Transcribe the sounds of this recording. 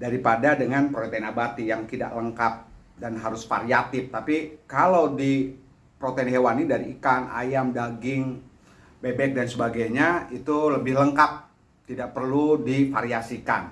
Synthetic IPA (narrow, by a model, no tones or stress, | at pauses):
daɾipadadəŋanpɾot̪enabat̪ijaŋt̪ida̰ʔləŋkap̚ | danɦaɾʊsfa̰ɾiat̪ɪft̪apikalawdi | pɾot̪enɦewanidaɾiːkana̰jamdaɡɪŋ | bebɛk̚dansəbaɡajɲait̪uləbɪhləŋkap̚ | t̪idaʔ̚pərludifaɾiasikan